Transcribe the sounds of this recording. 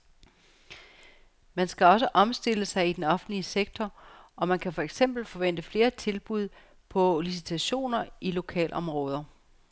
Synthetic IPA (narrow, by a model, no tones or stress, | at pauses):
mænsɡ̥æɒ̽s̬əʔɒ̽msd̥e̝ləsɑ̈ɪid̥enɒ̽fn̩dliəseɡ̥̚t͡sʰɒɒ̽mænkʰæfɒ̽eɡ̥sem̰b̥l̩fɒ̽ʋen̰d̥əfle̝ːɐt͡sʰe̝lb̥uð̞̰ˠ | pʰɒ̽lis̬it͡sʰæɕo̝̰ːnɐilo̝kʰɛ̰ːlʔɒ̽mʁɔ̽ːð̞ˠɐ